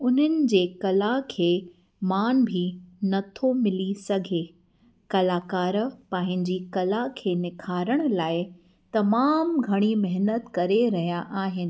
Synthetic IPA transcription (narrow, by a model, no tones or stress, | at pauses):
ʊnənɪ̆d͡ʑeːkɐlakʰeː | maːnbʱinɐt̪ʰomɪlisɐɡʱe | kɐlaːkaːɾpãːɦɪ̃ɲd͡ʑikɐlakʰeːnɪkʰaːɾəɽ̃̆laːɪ | t̪ɐmaːmɡʱɐɽ̃imɛɦnət̪kɐɾeɾɐɦijaʔaːɦɪnɪ̆